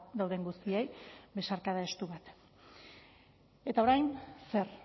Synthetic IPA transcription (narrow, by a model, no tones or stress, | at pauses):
d̪awðe̞ŋɡust̪ie̞jbe̞saɾkaðae̞st̪uβat̪ | e̞t̪ao̞ɾajnse̞ɾ